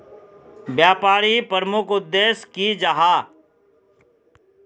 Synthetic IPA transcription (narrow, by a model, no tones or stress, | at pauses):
bjaːpaːɾipəɾmʊkʊd̪ːeːskid͡ʒaɦaː